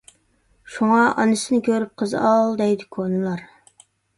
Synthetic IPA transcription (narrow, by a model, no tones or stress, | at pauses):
ʃuŋɑʔɑ̰nɨsɪnɪkʲʰøɾyp̚qʰəzɑlˠd̪ɛjd̪ɪkʰonɨlˠɑɾ